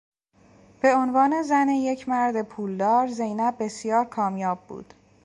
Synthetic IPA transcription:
b̥e̞onvɒːne̞zæneje̞cʰmæɾd̪epʰuːld̪ɒːɾze̞jnæb̚ːe̞sjɒːɾkʰɒːmjɒːbːṵːd̪̥

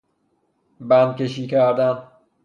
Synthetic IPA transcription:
bænd̪̚kʲeʃiːkʰæɾd̪æn

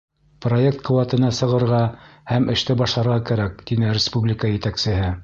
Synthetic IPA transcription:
pro̞e̞k̚t̪̚qɤ̆wɑt̪ɤ̆nɑsɤ̆ʁɤ̆ɾʁɑhæmɘ̆ʃt̪ɘbɑʃlˠɑɾʁɑkæɾæk̚t̪inɘɾʲɪspublʲɪkəjɘ̆t̪æksɘ̆ɦɘ

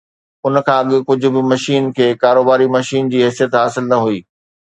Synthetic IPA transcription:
ʊnkʰãːɐɠɪ̆kʊd͡ʑʱʊ̆bɪmɐʃiːnkʰeːkaːɾoːbaːɾimɐʃiːnd͡ʑiːɦɛːsijət̪ɦaːsɪlnɐɦuiː

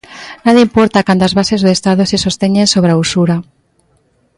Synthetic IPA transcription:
naðeimpoɾt̪akant̪azβasezðeest̪aðosesost̪eɲensoβɾausuɾa

